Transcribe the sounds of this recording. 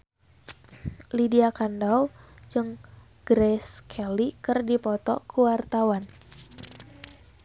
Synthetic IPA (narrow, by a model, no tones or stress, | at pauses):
lidiakandawd͡ʒɨŋ | ɡ̥ɾɛskʰɛlikɨrdipɔt̪ɔ̰kuwart̪awan